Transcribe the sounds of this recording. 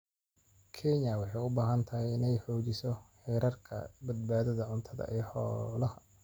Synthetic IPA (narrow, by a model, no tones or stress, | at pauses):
kʰɛɲɐwɑħɑjʊbaːɦɐnt̪ʰɐɦɛjɪnɛjħɔːt͡ʃɪsɔħɛːɾɐrkʰɐ̰bɐd̪̚baːðɐðɐʕʊnt̪ʰɐðɐ̰ʔɛːħɔːlɐhɐ